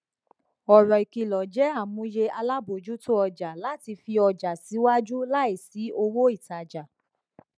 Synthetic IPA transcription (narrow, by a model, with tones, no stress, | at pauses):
ɔ˨ɾɔ˨i˨ki˨lɔ˨d͡ʒɛ˨˦a˦˨mũ˧je˧a˧la˦bo˨d͡ʒu˦to˦ɔ˧d͡ʒa˨la˨˦ti˧fi˧ɔ˧d͡ʒa˨si˨˦wa˦d͡ʒu˦la˦i˦˨si˨˦o˧wo˦i˦˨ta˨d͡ʒa˨